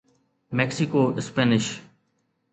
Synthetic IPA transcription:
mɛːksikoːɪspɛːnɪʃ

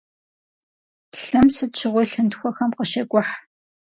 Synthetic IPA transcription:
ɬɨmsɨt͡ʃʰɪʁʷijɬɨntxʷɔxɐmqəʃɐkʷʼʊħ

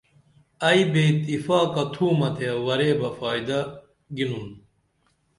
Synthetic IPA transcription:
ɐibeːt̪ifaːkɐt̪ʰuːmɐt̪ʰeɐwɐɾeːbɐfaːid̪ɐ | ɡinun

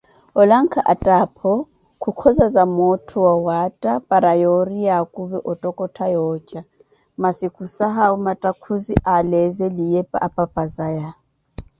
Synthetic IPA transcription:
ɔlaŋ̩kʰaʔatʼapʰɔ | kʰukʰɔzazamɔtʰɔwawatʼapʼaɾajɔrijakʼuβɛʔɔtʼɔkʼɔtʰajɔːt͡ʃʼa | masikʰusaɦaumatʼakʰuziʔalɛzɛlijɛpʼa̰ʔapʼapʼazaja

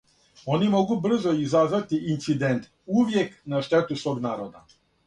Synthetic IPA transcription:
o̞nimo̞ɡubr̩zo̞izazʋat̪iːnt̪sid̪ent̪ | uʋjeknaʃt̪et̪usʋo̞ːɡnaːɾod̪a̰

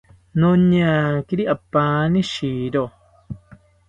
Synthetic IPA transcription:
nõɲãːkiɾiʔapːaːnĩʃiːɾo

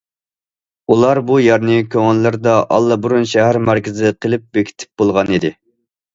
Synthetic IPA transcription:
ulˠɑɾbujɑɾnɪkʲʰøŋɛlːɪɾd̪ɑʔɑ̰lˠːɑbuɾunʃæɦæɾmæɾkʲɪzɪqʰəlˠɪp̚bekʲʰi̥t̪ʰɪ̥p̚bolˠʁɑnid̪ɪ

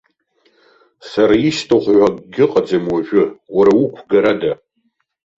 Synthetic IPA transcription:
saɾaistʰaχʷħʷaɡɡʲɪqʼad͡zamwaʒᶣʊwaɾaukʷʰɡaɾada

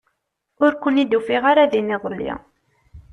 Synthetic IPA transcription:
ʊɾkʷənid̪ufiʁaɾaðiniðˤəlːḭ

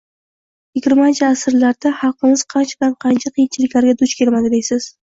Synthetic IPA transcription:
jɪɡʲɪɾmant͡ʃʰɪasɾlaɾd̪ahɑlˠqːɨmɪz̥qʰɑnt͡ʃʰabɪanqʰɑnt͡ʃʰaqʰijɪnt͡ʃʰɪlɪkʲlaɾɡʲad̪ʊt͡ʃkʲʰe̞ɾmad̪ɪd̪ejsɪz̥

